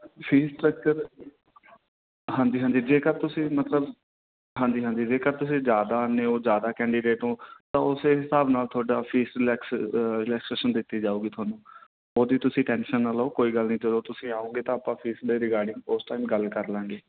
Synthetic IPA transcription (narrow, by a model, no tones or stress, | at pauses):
pʰiːsʈɾək̚t͡ʃəɾ | ɦãːɲd͡ʒiːɦãːɲd͡ʒiːd͡ʒeːkəɾt̪ʊsĩːmət̪ləb | ɦãːɲd͡ʒiːɦãːɲd͡ʒiːd͡ʒeːkəɾt̪ʊsĩːzjaːd̪aːneːoːzjaːd̪aːkɛ̃ːɳɖiːɖeːʈɦõːt̪ãːʊseːɦɪsaːbnaːlt̪ʰoːɖaːpʰiːsɾlɛːksɾɪlɛːksʈɾeːʃənd̪ɪt̪ːiːd͡ʒaːuːɡiːt̪ʰʊaːnũː | oːd̪iːt̪ʊsĩːʈɛ̃ːnʃənːalaoːkoːiːɡəlnĩːd͡ʒəd̪oːt̪ʊsĩːaːõːɡeːt̪ãːəpãːpʰiːsd̪eːɾɪkaːɾɖɪ̃ŋɡosʈaːimɡəlkəɾlãːŋɡeː